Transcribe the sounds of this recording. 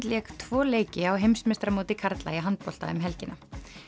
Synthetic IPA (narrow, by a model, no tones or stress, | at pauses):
t̪lɛːkt̪ʰvɔːleːjcɪawɦejmsmɛst̪ɾamoːt̪ɪkʰaɾt̪la̰jɪɦant̪̚pɔl̥t̪a̰ʏmɦɛlcɪnʔa